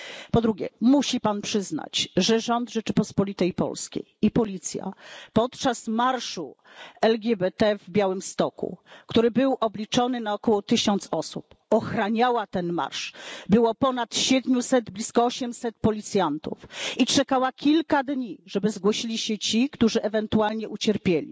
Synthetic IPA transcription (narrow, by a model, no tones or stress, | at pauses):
pɔd̪ɾuɡʲjɛ̰muɕipanpʂɘzna̰t͡ɕʐɛʐɔnd̪ʐɛt͡ʂɘpɔspɔlʲit̪ɛjpɔ̰lskʲḛjipɔlʲit̪sʲja̰pɔt̪t͡ʂasmaɾʂṵ | ɛlɡʲɛbɛt̪ɛvbʲjawɘmst̪ɔkṵkt̪uɾɘbɘwʔɔblʲit͡ʂɔnɘnaɔkɔwɔt̪ɘɕɔnt̪sɔsṵp | ɔxɾaɲawat̪ɛnma̰ɾʂbɘwɔpɔnat̪ɕɛd̪mʲusɛd̪blʲiskɔɔɕɛmsɛt̪̚pɔlʲit̪sʲjant̪ṵfit͡ʂɛkawakʲilkad̪ɲiʐɛbɘzɡwɔɕilʲiɕɛt͡ɕikt̪uʐɘʔɛvɛnt̪ualɲɛʔut͡ɕɛɾpʲjelʲḭ